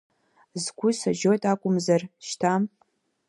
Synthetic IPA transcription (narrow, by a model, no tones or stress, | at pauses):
zɡʷʊsaʒo̞jtʼakʷʼʊmzarʃtʰam